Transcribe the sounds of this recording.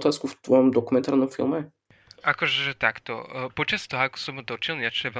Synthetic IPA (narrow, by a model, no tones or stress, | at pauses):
t̪aːskuft̪vɔmd̪ɔkumɛnt̪aɾnɔmfḭlˠmɛ | ʔakɔʒɛʒɛt̪akt̪ɔ̰pɔt͡ʃast̪ɔɦɔakɔ̥sɔmɦud̪ɔt͡ʃilɲat͡ʃɛɛvɛ